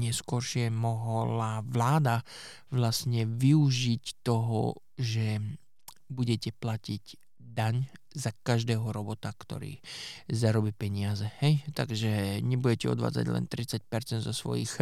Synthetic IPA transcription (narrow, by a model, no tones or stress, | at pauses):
ɲɛskɔɾʃɪɛmɔɦɔlaʋlaːd̪a | ʋlasɲɛʋiuʒict̪ɔɦɔ̰ | ʒɛ | buɟɛcɛplaciɟ | d̪aɲ | zakaʒd̪ɛːɦɔɾɔbɔt̪akt̪ɔ̰ɾḭːzaɾɔbiːpɛɲɪazɛhɛjt̪a̰ɡʒɛɲɛbuɟɛcɛɔ̰d̪ʋa̰ːd͡za̰ɟlɛ̰nt̪ɾit͡sac̚pɛɾt͡sɛnd̪zɔsʋɔ̰jḭx